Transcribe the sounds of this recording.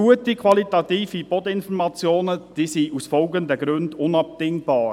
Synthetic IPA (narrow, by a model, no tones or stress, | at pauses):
uətikʰʋɑlitɑt̪iːfipɔd̪əɪnfɔɾmɑt͡sjoːnəd̥iːsiʔusfɔlɡənd̪əɡɾʉndʊnɑp̚dɪŋbɑːɾ